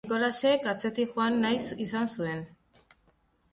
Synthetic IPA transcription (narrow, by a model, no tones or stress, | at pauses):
ko̞lasekat͡se̞t̪ixoanːajsisansue̞n